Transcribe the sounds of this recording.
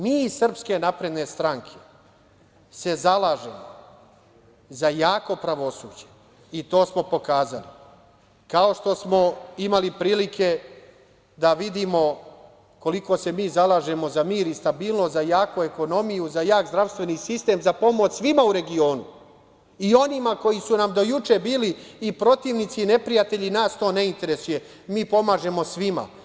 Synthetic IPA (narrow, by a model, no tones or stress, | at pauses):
miːsr̩pske̞napɾe̞d̪ne̞st̪ɾaŋkʰe̞̥ | se̞zalˠaːʒe̞̰mo | zajaːko̞pɾaʋo̞suːd͡ʑe | it̪o̞ːsmo̞po̞kaːzalḭ | kao̞ʃt̪o̞smo̞imalipɾiːlikʰe̞ | d̪aʋid̪iːmo̞ | ko̞liko̞se̞miːzalˠaːʒe̞mo̞zamiːɾist̪abiːlˠnost̪zajaːkue̞ko̞no̞mijuzajaːkzd̪ɾaʋst̪ʋe̞nisist̪e̞ːmzapo̞mo̞t͡ɕsʋimauɾe̞ɡio̞ːnṵ | io̞nimako̞jisunamd̪o̞jut͡ʃe̞biːliːpɾo̞t̪iːʋnit̪sine̞pɾijat̪e̞ʎinaːst̪o̞ːne̞int̪e̞ɾe̞suje̞ | miːpo̞maːʒe̞mo̞sʋima̰